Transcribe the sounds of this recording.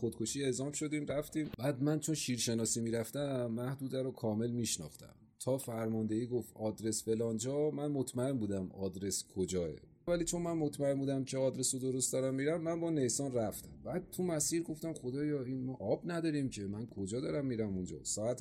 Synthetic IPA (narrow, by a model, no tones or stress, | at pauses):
xod̪kʰo̞ʃiːe̞zɒːmʃo̞d̪iːmɾæft̪iːmbæːd̪mænt͡ʃʰo̞nʃiɾʃe̞nɒːsiːmiːɾæft̪æmːæhd̪uːd̪æɾokʰɒːme̞lmiːʃnɒ̰ːxt̪æ̰m | t̪ʰɒːfæɾmɒnd̪e̞iːɡoft̪ɒːd̪ɾe̞sfe̞lɒːnd͡ʒɒːmænmot̪ʰmæe̞nbuːd̪æmɒːd̪ɾe̞skʰod͡ʒɒːḛ | væliːt͡ʃʰo̞nmænmo̞t̪ʰmæe̞mbuːd̪æmcʰeɒːd̪ɾe̞sod̪o̞ɾost̪d̪ɒːɾæmːiɾæmːænbɒːnejsɒːnræft̪æmbæːd̪̚t̪ʰumæsiːɾɡo̞ft̪æmxo̞d̪ɒːjɒːiːnmɒːʔɒbnæd̪ɒːɾimcʰe̞mænkʰo̞d͡ʒɒːd̪ɒːɾæmːiːɾæmund͡ʒɒ̰ːsɒːæt̪